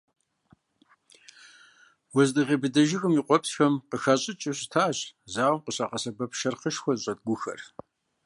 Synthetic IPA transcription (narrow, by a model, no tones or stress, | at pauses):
wɔzdɨʁʲebɨdɐʒɪxɨmiːqʷʼɔpsxɐmqəxaɕʼɪt͡ʃʼɪɕɪtʰaːɕzaːwɐmqʼəɕaqɐsɐbɐpʰʃɐrqəʃxʷɔzɕʼɐt̚ɡʷʊxɐ̰r